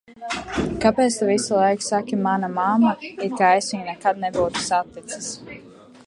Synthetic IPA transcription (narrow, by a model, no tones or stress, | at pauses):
kapeːt̪st̪ɛvisilˠajksakʲimanamamːait̪kaɛsʲiɲnɛkad̪̚nɛbuːt̪u̥sat̪ːit̪si̥s